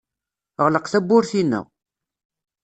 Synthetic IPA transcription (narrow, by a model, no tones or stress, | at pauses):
ʁləqθæbːʊɾθinːə̰ʁ